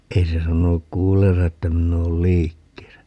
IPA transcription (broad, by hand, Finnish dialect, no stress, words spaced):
ei se sɑnonuk kuːlːeːnsɑ etːæ minˑ oːl liːkːeːsæ